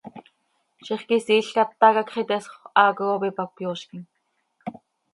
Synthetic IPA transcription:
ʃiχkisiːɬkat̪ːɑkakχit̪ɛsχɑːkoopipapjoːʃkin

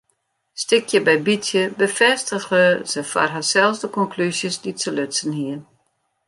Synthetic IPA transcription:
stɪkʰjəbɛjbitjəbəfɛstəɣəsəfa̰rɦasɛlˠsdəkɔnkʰlysjəsditəløsənhiən

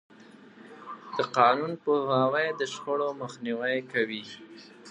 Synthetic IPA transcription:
d̪̥əqɑnunpoɦawajd̪əʃxəɽoməxniwajkawi

